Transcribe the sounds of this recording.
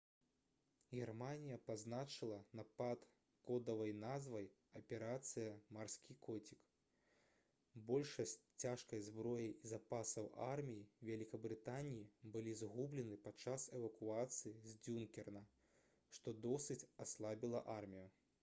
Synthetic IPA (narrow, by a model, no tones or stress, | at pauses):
ɣʲɛrmanʲijɐpaznat͡ʂɨlˠɐnapat̪ | kɔd̪ɐvɐjnazvɐj | ɐpʲɛɾat̪sɨjɐmarsʲkʲikɔt͡sʲik | bɔlʲʂɐsʲt͡sʲaʂkɐjzbɾɔjijizapasɐwʔarmʲijivʲɛlʲikɐbɾɨt̪anʲijibɨlʲizɣublʲɛnɨpat͡ʂasɛvɐkuat̪sɨjizʲd͡zʲunkʲɛrnɐ | ʂt̪ɔd̪ɔsɨt͡sʲaslˠabʲilˠɐʔarmʲiju